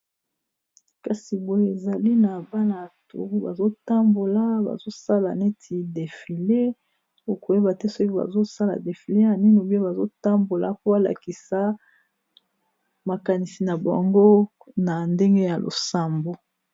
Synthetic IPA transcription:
ka˨si˨bo˨jo˦e˨za˨li˦na˨ba˦na˨tṵ˨ʁi˦ba̰˨zo˦ta˦mbo˨la˦ba̰˨zo˦sa˦la˨ne˦tʰi˨de˨fi˨le˦ | o˨ko˨je˦ba˨tɛ˦so˦ki˦ba̰˨zo˦sa˦la̰˨de˨fi˨le˦na˨ni˦no˨bi˦o˦ba˨zo˦ta˦mbo˨la̰˨po˦a˦la̰˨ki˨sa˨˦ | ma˨ka˨ni˨si˨na˨ba̰˨ŋɡo˦ | na˨nde˦ŋɡe˦ja˨lʔo̰˨sa˦mbo˨

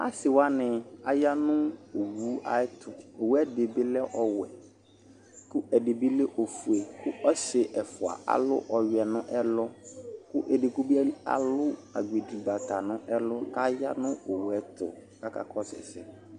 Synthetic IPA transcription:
a̰˦sɪ˨wa˦nɪ̃˨a˨ja˦nʊ̃˦o˨wu˦a̰˨ɪ˦tʰʊ˨o˨wɛ˦dɪ˨bɪ˦lɛ˦ʔɔ˨wɛ˨ | kʊ˦ʔɛ˨dɪ˨bɪ˦le˦ʔo˨fu˨e˨kʊ˦ɔ˦sɪ˨ʔɛ˨fʊ˨a̰˨ʔa̰˨lʊ̰˦ʔɔ˨ɥɛ˨nʊ̃˦ʔɛ˦lɔ˦kʊ˦ʔɛ˨dɪ˨kʊ˦bi˦a˦a̰˨lʊ˦a˨ɡe˨di˨ba˨tʰa˨nʊ̃˦ʔɛ˦lʊ˦ka˦ja˦nʊ̃˦o˨wɛ˦tʰʊ̰˨ka˦ka̰˨kʰɔ˦sɪ̰˨sɪ˦

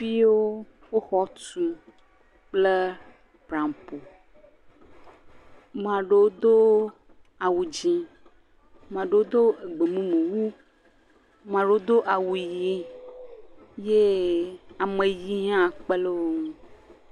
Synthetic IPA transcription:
fi˦wo˦ | wo˦xɔ˦tu˨ | k͡ple˦ | bɾã˨mpo˨ | mã˨ɖe˨wo˦d̪o˦ | a˨wu˨d͡ʒĩ˦ | m˨ã˨ɖe˨wo˦d̪o˦e˨ɡ͡be˨mũ˦mẽ˨wu˦ | mã˨ɖe˦wo˦d̪o˦ʔa˨wu˨ji˦ | je˦ | a˨mẽ˨ji˦ɦã˦k͡pe˦le˦wõ˦˨

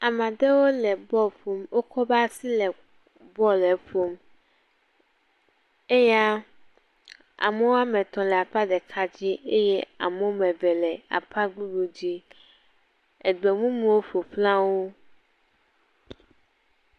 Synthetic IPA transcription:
a˨mã˨ɖe˦wo˦lɛ˨bɔ˦ɸo˨mwo˦kʰɔ˦ba˦si˦lɛ˨ | bɔ˦lɛ˨ɸo˨m | e˦ja˦ | a̰˨me˦wo˦a˦mɛ̃˨t̪ɔ̃˨lɛ˨a˨k͡pa˦ɖɛ˨kʰa˦d͡ʑi˦ʔe˦jɛ˦a̰˨me˦wo˦mɛ̃˨vɛ˨lɛ˨a̰˨pʰa˦ɡ͡bu˦ɖu˨d͡ʑi˦ | e˨ɡ͡be˨mũ˦mẽ˨wo˦ɸo˨ɸlã˦wo˦

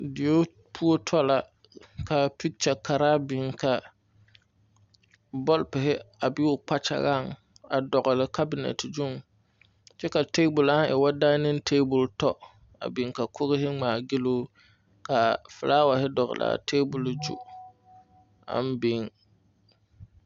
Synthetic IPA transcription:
dɪ˨jo˦ | pʰu˦o˦tʰɔ˦la˨ | ka˨pi˦t͡ʃa˨ka˨ɾaː˦bɪ˨ŋka˨ | bɔ˦lpɪ˨ɦɪ˦a˨bɪ˦ʊ˨k͡pa˦t͡ʃa̰˨ɣa˦˨ŋ | a˨dɔ˨ɡɪ˨lɪ˨ka˦bɪ˨˦nɛ̰˨tɪ˨d͡ʒʊ˦ŋ | t͡ʃɛ˦ka˨teː˦bʊ˨la˦ŋʔɪ˨wa˦daː˦nɪ˦n˦tʰeː˦bʊ˨ltɔ˦ | a̰˨bɪ˨ŋka˨kʰʊ˦ɣɪ˦ɦɪ˦ŋ͡maː˨ɡɪ˦loː˦ | ka˨fʊ˨laː˦wa˨ɦɪ˦dɔ˨ɣɪ̰˨lʔa̰˨tʰeː˦bʊ˨ld͡ʒṵ˨ | a̰˦n˦bɪ˨˦ŋ

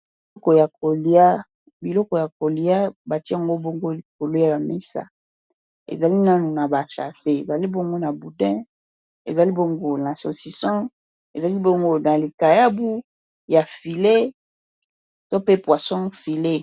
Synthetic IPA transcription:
i˨i˦kɔ˨ja˨ko˨li˨˦a˦ | bi˨lɔ˦kɔ˨ja˨ko˨li˨a˦ba˨ti˦a˨ŋɡo˦bo˦ŋɡo˦li˨k̚o˨lo˦ja˦˨ja˨mi˦sa̰˨ | ḛ˨za˨li˦na˦nu˨na˨ba˨ʃa̰˨se˦e˨za˨li˦bo˦ŋɡo˦na˨bu˨dɛ̃˦ | ḛ˨za˨li˦bo˦ŋɡo˦na˨so̰˨si˨sɔ̃˦ | e˨za˨li˦bo˦ŋɡo˦na˨li˨ka˨ja˦bu˦ | ja˨fi˨le˦ | to˦pe˦pwa˨sɔ̃˦fi˨le˦

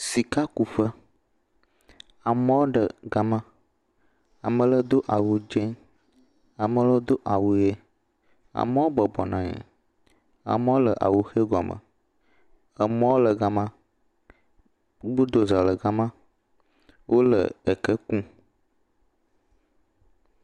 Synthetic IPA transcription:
si˨ka˦ku˨ɸə˦ | a˨mə̃˦wo˦ɖə˨ɡa˨mã˦ | a̰˨mə̃˨lə˦d̪o˦ʔa˨wu˨d͡ʒe˦ɲ | a˨mə̃˨lə˦d̪o˦ʔa˨wu˨je˦ | a̰˨mə˦wo˦bə˨bɔ˨nã˨ɲḛ̃˨ | a̰˨mə̃˦wo˦lə˨ʔa̰˨wu˨xe˦ɡɔ˨mə̰̃˨ | ə˨mɔ̃˦wo˦lə˨ɡa˨mã˦ | bu˦d̪o˨za˨lə˨ɡa˦mã˦ | wʔo˦lə̰˨ə˨kə˦kũ˦

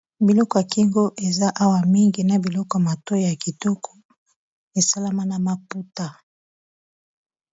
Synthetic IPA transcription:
bi˨lɔ˦kɔ˨ja˨ki˦ŋɡo˦ʔe˨za˦ʔa˦wa˨mi˦ŋɡi˨na˨bi˨lɔ˦kɔ˨ja˨ma˨tɔ˦jja˨ki˨tɔ˦kʰɔ̥˦ | e˨sa˦la˦ma˦na˨ma˨pu˦ta˨

